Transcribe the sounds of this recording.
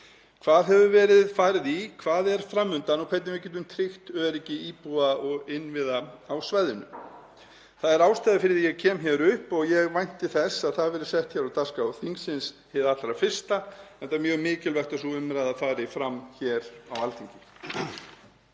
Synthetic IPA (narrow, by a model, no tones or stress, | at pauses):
kʰv̥aːðɦɛvʏvɛːɾɪðfaːɾɪðikʰvaːðɛɾ̥fɾamːʏnt̪anukʰvɛt̪nɪnvɪc̬ɛːt̪̬ʏmt̪ʰɾɪxt̪œːɾicɪiːpuaɔɣɪnvɪːðaawsvajðʏnʏ̰m | θaðɛɾaːwst̪ajðafɪɾɪɾjɛɣcʰɛːmçɛɾʏhpɔɣjɛɣvajn̥t̪ɪθɛsaðθaðvɛːɾɪɾ̥sɛht̪çɛɾawt̪askawθiŋksɪns | hɪðat̪ɾafɪr̥st̪aɛlt̪amjœːɣmɪːcɪlvɛht̪asɔʏmɾajðafaːɾɪifɾamːçɛːɾawalt̪ʰiɲcɪ